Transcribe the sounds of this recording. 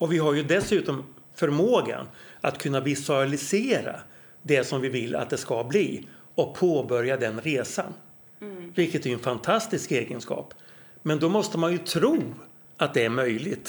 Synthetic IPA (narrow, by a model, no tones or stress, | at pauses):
ɔvɪɦaɾjɵd̪ɛsʉ̟ːt̪ɔmfœɾmoːɡa̰nat̪kʰɵnːavɪsʉalɪseːɾa̰ | d̪ɛsɔmvɪvɪlːa̰t̪̚d̪ɛskablḭː | ɔk̚pʰoːbœɾjad̪ɛnɾeːsa̰n | vɪlkət̪æɾjɛnfant̪ʰast̪ɪskeːɡənskɑ̰ːp | mɛnd̪ɔmɔst̪əmanjɵt̪ʰɾuː | at̪̚d̪ɛæɾmœjlɪt̪